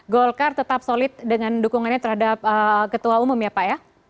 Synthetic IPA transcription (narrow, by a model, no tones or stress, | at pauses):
ɡolkart̪ət̪ap̚solɪt̪̚dəŋandukuŋanɲat̪ərhadap̚əkət̪uaumʊmjapaja